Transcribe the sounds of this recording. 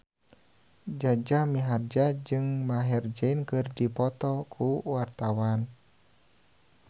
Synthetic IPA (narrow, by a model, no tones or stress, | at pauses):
d͡ʒad͡ʒamiɦard͡ʒad͡ʒɨŋmaɦɛrd͡ʒainkɨrdipɔt̪ɔkʰuwart̪awan